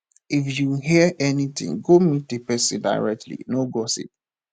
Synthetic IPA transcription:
ifjuɦiəʔɛnit̪ɪ̰̃ŋɡomit̚depɛsida̰ɪɹɛk̚tʰlḭnoɡɔsḭp̚

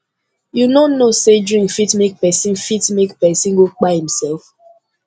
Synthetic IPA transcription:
junonnːosedɹĩŋkfitmek̚pɛsĩnfitmekpɛsĩnɡok͡pahĩm̩sɛlf

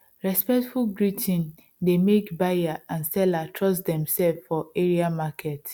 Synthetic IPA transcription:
ɹɛspɛtfulɡɹitʰĩn | demekbajaãnsɛlatʰɹɔsdɛ̃msɛlffɔeɹiamakʰɛt

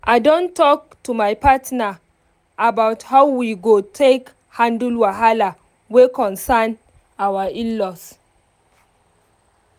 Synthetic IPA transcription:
ʔadõntʰɔk̚tʰumajpatnaː | bawthawwiɡotʰek | hãndulwaɦala | wekɔ̃nsan | awaĩlɔs

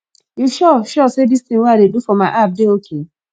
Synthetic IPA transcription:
juʃɔʃɔsedist̪ĩŋweadedufɔmaɪʔap̚deokʰe

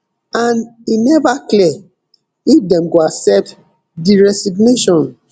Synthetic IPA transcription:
ãninɛvakliɛ | ifdɛ̃mɡoaksɛp̚t | diɹɛsiɡneʃɔ̃n

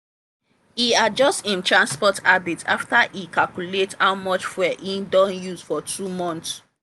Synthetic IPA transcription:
iad͡ʒɔstĩntɹãnspɔtabitʰa̰ftaʔikalkulethawmɔt͡ʃfɛʔidɔ̃njusfɔtʰɹumɔ̃nts

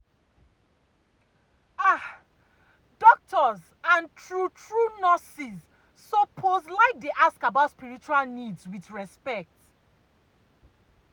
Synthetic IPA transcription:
a | dɔk̚tʰɔz | ãntʰɹutʰɹunɔsiz | sɔpʰozlaɪk̚deʔaskabaʊtspiɹit͡ʃualnidzwiθɹɛspɛk̚t

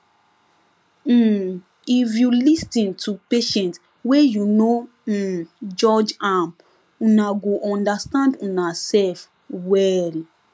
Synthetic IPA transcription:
ifjulistĩntʰupeʃɛ̃nt | wɛjuno | d͡ʒɔd͡ʒãm | ũnaɡoʔɔ̃ndastãndũnasɛlf | wɛɾi

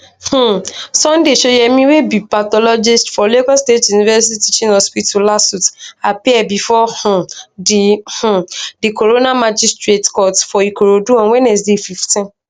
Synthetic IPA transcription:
h̩sɔ̃ndeʃojɛmĩwebipat̪ɔlɔd͡ʒistfɔlekɔstetjunivɛsitiitit͡ʃĩnɔspitulasutapiɛbifɔhũdih̩dikoɾonamad͡ʒistɹetkɔtfɔikoɾoduɔ̃nwɛ̃nɛsdefiftĩn

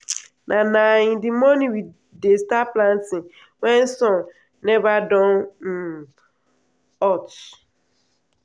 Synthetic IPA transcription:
nʔanaɲɪdɪmoniwi | destaplantɪ | wɛn̩sɔn | nevadɔn̩ | ɔt͡ʃ

